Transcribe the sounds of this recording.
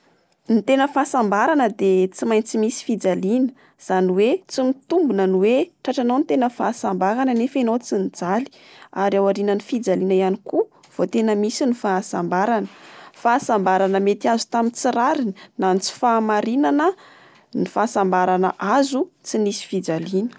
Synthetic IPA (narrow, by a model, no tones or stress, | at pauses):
nit̪enəfaːsambaɾanəd̪et͡simajnt͡simisi̥fid͡zalinə | z̥aniwet͡simit̪umbunənuweʈ͡ʂaʈ͡ʂanownit̪enəfaːsambaɾanənefenowt͡sinid͡zali̥ | aɾiawaɾinənifid͡zalinəianiku | v̥ot̪enəmisinifaːsambaɾanə̥faːsambaɾanəmet̪iazu̥t̪amit͡siɾaɾininant͡si̥faːmaɾinanə | nifaːsambaɾanə̰ʔazut͡sinisi̥fid͡zalinə̥